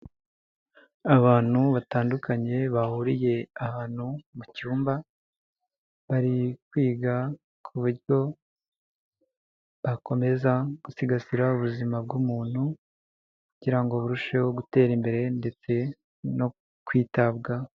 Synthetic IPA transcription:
aβaːn̥huβataːndukaɲe̞βahuɾije̞ahaːn̥humucuːmba | βaɾikwiːɡa | kʰuβuɾɟo̞ | βako̞me̞zaɡ̥usiɡasiɾauβuzimabɡumuːn̥hu | kuɟiɾaŋɡo̞βuɾuʃewoɡute̞ːɾimbe̞ɾe̞nde̞t͡se̞ | no̞ | kwiːtabɡa

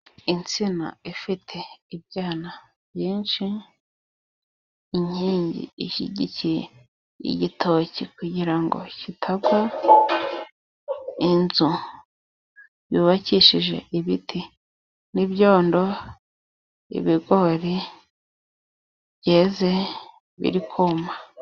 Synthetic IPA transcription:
int͡sina̰ifitʰe̞ibɟaːna | bjiːnʃi | iɲ̥iːɲɟḭiʃḭɟicije | ḭɟitʰocikuɟiɾaŋɡo̞̰citʰabɡwa | inzu | βjuːβaciʃiʒe̞̰iβitʰi | nibjo̞ːndo̞ | ḭβiɡo̞ːɾi | bɟeːze̞ | βḭɾikʰoma

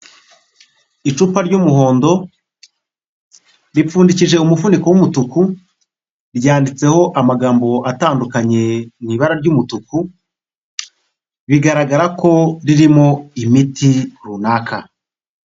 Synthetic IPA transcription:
it͡ʃupaɾɟumuɦo̞ːndo̞ | ɾifuːndiciʒe̞umufunikowumutuku | ɾɟaːndit͡se̞ho̞ʔamaɡaːmbo̞ataːndukaɲe̞niβaɾaɾɟumutuku | βiɡaɾaɡaɾako̞ɾiɾimo̞imitiɾunaːkʰa

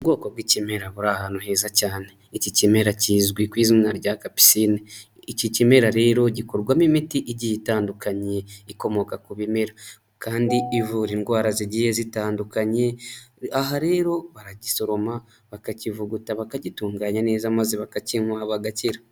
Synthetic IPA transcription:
uβɡo̞ːkobɡicime̞ɾaβuɾahanohe̞ːzacaːneicicime̞ɾaciːzɡwikwiːziminaɾɟaːkapi̥sini | icicime̞ɾaɾe̞ːɾo̞ɟikoɾɡwamimitiʔiɟijitaːndukaɲe̞iko̞mo̞kakuβimeɾa | kaːndiivuɾiŋɡwaːɾaziɟijezitaːndukaɲe̞aɦaɾe̞ːɾo̞βaɾaɟiso̞ɾo̞ma | βakacivuɡutaβakaɟituːŋɡaːɲane̞ːzamaziβakaciŋwaːβaɡaciɾa

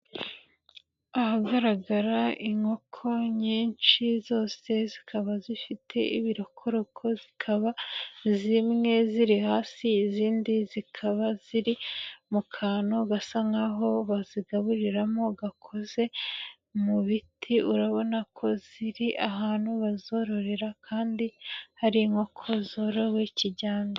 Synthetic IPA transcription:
ahaɡaɾaɡaɾaiŋo̞kʰo̞ɲiːnʃizo̞ːse̞zikʰaβazifitʰe̞̰ʔiβiɾo̞kʰo̞ɾo̞kʰo̞zikʰaβazimŋe̞ziɾihaːsiːziːndizikʰaβaziɾimukʰaːnoɡasaŋɡaɦo̞βaziɡaβuɾiɾamo̞ɡakʰo̞ze̞ | muβitʰiʔuɾaβo̞nakʰo̞z̥iɾiʔaɦaːnhuβazo̞ɾo̞ɾeɾakʰaːndihaɾiŋokʰo̞zoɾowiciɟaːmɡo

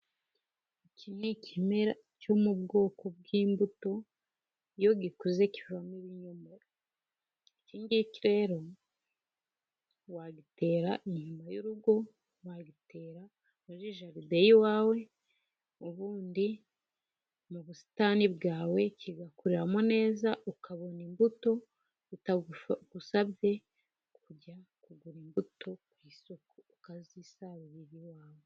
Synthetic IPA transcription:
icinecʰimeɾa | co̞mubɡo̞ːko̞b̚ɡiːmbuto̞ | jo̞ɡikuze̞civvamiβiɲuma | ciːɲɡiciɾe̞ɾo̞ | waɡite̞ːɾaʔiɲumajuɾuɡo̞ | waɡite̞ːɾa | muʒiʒaɾidejiwaːwe̞ | oβuːndi | muβusi̥taːnibɡaːwe̞ciɡakuɾiɾamone̞ːzaʔukaβo̞nimbuto̞ | utaɡ̥usaβje̞ | kuɟakuɡuɾimbuto̞kwiːso̞koukazisaβiβiɾiwaːwe

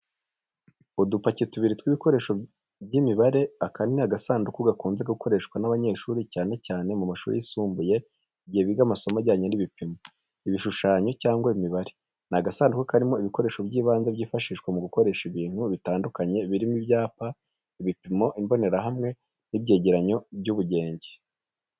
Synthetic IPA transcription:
udupacituβiɾitwiβiko̞ɾe̞ːʃo | bɟimiβaɾe̞akaninaɡasaːndukuɡakuːnzeɡaɡuko̞ɾe̞ʃkwanaβaɲe̞ʃuɾicaːne̞caːne̞mumaʃṵːɾḭjisuːmbuje̞ | iɟieβiɡamaso̞maɟaːɲo̞niβipimo | iβiʃuʃaːɲo̞caːŋɡwaimiβaɾe | naɡasaːndukukaɾimo̞iβiko̞ɾe̞ːʃo̞bɟiːβaːnzaβɟiːfaʃiːʃkwamuɡuko̞ɾe̞ʃiβiːn̥huβitaːndukaɲe̞βiɾimibjaːpa | iβipimo̞ʔimbo̞ne̞ɾaɦamŋe̞ | nibɟe̞ːɟeɾaɲo̞bɟuβuɟe̞ːɲɟe

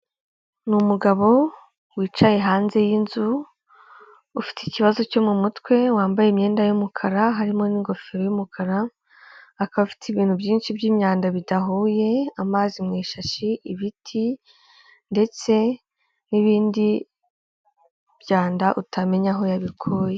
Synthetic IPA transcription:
numuɡaβo̞ | wiːt͡ʃaje̞ɦaːnze̞jinzu | ufi̥ticiβazo̞co̞mumutwe̞waːmbajemɲe̞ːndajumukʰaɾaɦaɾimo̞niŋɡo̞feɾojumukʰaɾaː | kaβafi̥tiβiːn̥hubjiːnʃibjiːmɲaːndaβidaɦuje̞amaːzimŋeːʃaʃiʔiβitʰi | nde̞t͡se̞ | niβiːndi | b̥ɟaːndaʔutʰame̞ɲaɦo̞jaβikʰoje

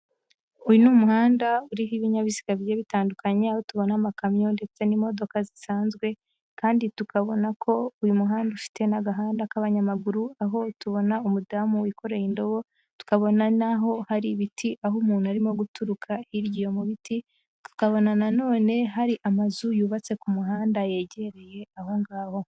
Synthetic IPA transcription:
ujunumuhaːndauɾiɦiβiɲaβizi̥ɡaβjeβitaːndukaɲe̞aho̞tuβo̞namakamjonde̞t͡se̞nimo̞do̞kazisaːnzɡwe̞ | kaːnditukaβo̞nakʰo̞ujumuɦaːndauʃi̥te̞naɡaɦaːndakaβaɲamaɡuɾuaɦo̞tuβo̞naumudamuwiko̞ɾejindo̞βo̞ | tu̥kaβo̞nanaɦo̞haɾiβitiʔaɦumuːn̥huaɾimo̞ɡutuɾukʰaiɾɟijo̞muβiti | tu̥kaβo̞nanano̞ːne̞ɦaɾiʔamazujuːβat͡se̞kumuɦaːndaje̞ːɟe̞ɾe̞je̞aɦo̞ŋɡaːho̞

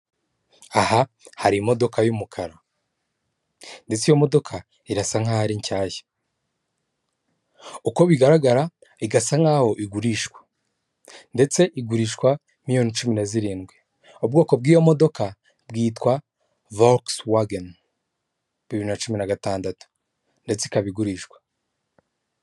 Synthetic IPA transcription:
aha | haɾimo̞do̞kʰajumukʰaɾa | nde̞t͡sijo̞mo̞do̞kʰa | iɾasaŋ̥hahaɾiɲcaːje̥ | uko̞βiɡaɾaɡaɾa | iɡasaŋ̥aːho̞ʔiɡuɾiʃkwḁ | nde̞t͡se̞ʔiɡuɾiʃkwa | mijo̞ːnit͡ʃumineziɾiːnɡwe | obɡo̞ːko̞b̚ɡiːjo̞mo̞do̞ka | bɡiːtkwa | vokswaɡen | βiβiɾinat͡ʃuminaɡataːndatu̥ | nde̞t͡seikaβiɡuɾiːʃkwḁ

